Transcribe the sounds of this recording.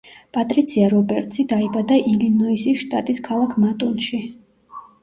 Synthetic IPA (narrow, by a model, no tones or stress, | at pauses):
pʼat̪ʼɾit̪sʰiaɾɔbɛɾt̪ʼsid̪aibad̪aʔilinɔisiʃt̪ʼat̪ʼiskʰalˠakʰmat̪ʼunʃi